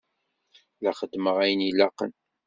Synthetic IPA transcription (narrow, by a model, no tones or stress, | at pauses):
læχəd̪ːməʁæjənilɑqə̰n